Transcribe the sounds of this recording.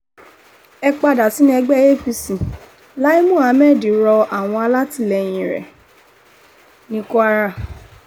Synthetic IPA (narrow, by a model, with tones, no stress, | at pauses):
ɛ˧k͡pa˧da˨si˨˦nĩ˦ɛ˧ɡ͡bɛ˦˨je˦fi˧sĩ˨ | la˦i˦mũ˦˨a˨˦mɛ˦˨di˨ɾɔ˧a˨w̃ɔ̃˧a˧la˦ti˦˨lɛ˧˨j̃ĩ˨ɾɛ̰˨ | nĩ˦ko˦a˧ɾa˦˨